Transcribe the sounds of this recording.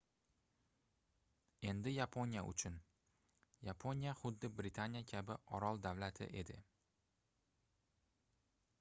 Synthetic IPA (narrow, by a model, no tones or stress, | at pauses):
e̞nd̪ɪjapʰonija̰ʔʊ̰t͡ʃʰʊn | japʰonijaχʊd̪ːɪbɾɪt̪ʰanijakʲʰabɪʔɒɾɒlˠd̪avlat̪ʰɪ̰ʔe̞d̪ɪ̰